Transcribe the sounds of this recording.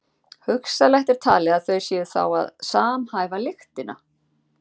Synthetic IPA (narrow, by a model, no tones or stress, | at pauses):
hʏksalajht̪ɛɾ̥t̪ʰaːlɛɣaðθœɥjsjɛðθa̰wa̰ðsaːmhaːjvalɪxt̪ɪna̰